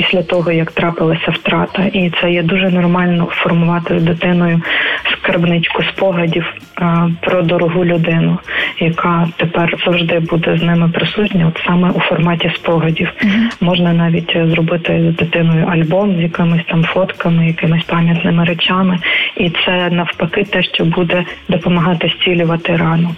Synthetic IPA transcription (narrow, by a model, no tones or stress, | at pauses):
pisʲlʲɐt̪ɔɦɔjɐkt̪ɾɑpɪlˠɐsʲɐwt̪ɾɑt̪ɐʔit̪sɛjɛd̪uʒɛnɔrmɑlʲnɔfɔrmʊʋɑt̪ɪzd̪ɪt̪ɪnɔjʊskɐrbnɪt͡ʃʲkʊspɔɦɐdʲiwpɾɔd̪ɔɾɔɦulʲʊd̪ɪnʊjɐkɑt̪epɛrz̥ɐwʒd̪ɪbud̪ɛznɪmɪpɾɪsuʒnʲɐɔt̪sɑmɛʔufɔrmɑtʲispɔɦɐdʲiwmɔʒnɐnɑʋʲitʲzɾɔbɪt̪ɪzd̪ɪt̪ɪnʊjʊʔɐlʲbɔmzjɐkɪmɪsʲt̪ɑmfɔt̪kɐmɪjɐkɪmɪsʲpɑmʲjɐt̪nɪmɪɾet͡ʃɑmɪit̪sɛnɐwpɐkɪt̪ɛʃt͡ʃɔbud̪ɛd̪ɔpɔmɐɦɑt̪ɪsʲtʲilʲʊʋɐt̪ɪɾɑnɔ